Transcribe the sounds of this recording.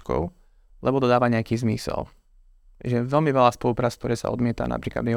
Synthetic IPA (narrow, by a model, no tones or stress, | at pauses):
kɔ̰ʊ | lɛbɔd̪ɔd̪aːʋaɲɛakiːzmḭsɛ̰l | ʒɛʋɛlmiʋɛlaːspɔlupɾaːt͡sk̚t̪ɔɾɛːsa̰ʔɔ̰d̪mɪɛt̪a̰na̰pɾiːkla̰d̪mi